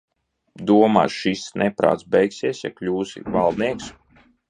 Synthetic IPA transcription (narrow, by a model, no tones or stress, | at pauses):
d̪uɔma̰ːʃisnʔɛpɾa̰ːt̪sbɛjksiɛsja̰klʲuːsḭvalˠd̪niɛks